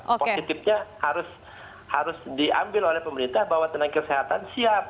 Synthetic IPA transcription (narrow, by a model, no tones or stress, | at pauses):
kposit̪ɪf̚ɲahaɾʊs | haɾʊsdia̰mbɪlolɛhpəməɾint̪ahbawat̪ənaŋkəseɦat̪ansiap̚